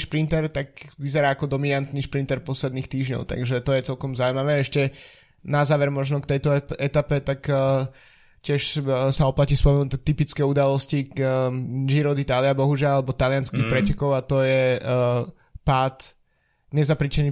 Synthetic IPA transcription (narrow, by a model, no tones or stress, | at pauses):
ʃpɾint̪ɛɾt̪akʋizɛɾaːkɔd̪ɔminant̪niʃpɾint̪ɛɾpɔslɛd̪niːxt̪iːʒɲɔ̰ʊt̪a̰ɡʒɛt̪ɔjɛt͡sɛlkɔmzauimaʋɛːɛʃcɛ | nazaːʋɛɾmɔʒnɔkt̪ɛjt̪ɔɛt̪apɛt̪ak | cɪɛʃsaɔplacispɔmɛnut̪ɛt̪ipit͡skɛːud̪alɔsci | d͡ʒiɾɔd̪it̪aːliabɔɦuʒɪalˠalɛbɔt̪alɪanskiːxpɾɛcɛkɔʊat̪ɔjɛ | paːt̪ | ɲɛzapɾit͡ʃɛniː